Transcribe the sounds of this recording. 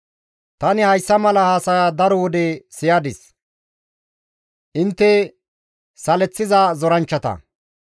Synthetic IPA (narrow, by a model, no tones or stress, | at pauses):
t̪ɐnɪhɐjsːɐmɐlɐhaːsɐjad̪ɐɾɔwɔd̪ɛsɪjaːd̪ɪs | ʔɪnt̪ːɛ | sɐlɛt͡sːɪzazɔɾɐnt͡ʃːɐt̪ɐ̰